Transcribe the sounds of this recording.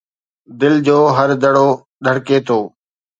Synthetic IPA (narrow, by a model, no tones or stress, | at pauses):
d̪ɪld͡ʑoːɦəɾd̪əɽoː | ɗ̪ʱəɽkeːt̪ʰoː